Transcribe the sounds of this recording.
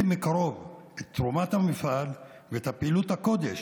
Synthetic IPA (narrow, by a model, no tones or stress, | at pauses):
mekaʁo̞vet̪ːʁomathamifal | veethapeiluthako̞d̪eʃ